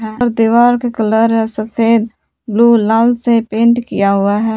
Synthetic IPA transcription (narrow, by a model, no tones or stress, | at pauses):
ɦɛːɾd̪iʋaːɾkekələɾɦɛsəfʰeːd̪̚ | bluːlaːlsepẽːɳʈkḭjaɦʊaɦɛː